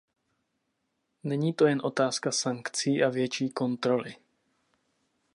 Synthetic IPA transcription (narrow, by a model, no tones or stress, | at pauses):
nɛɲiːt̪o̞jɛnʔo̞t̪aːskasaŋkt͡siːʔavjɛt͡ʃiːko̞nt̪ɾo̞lɪ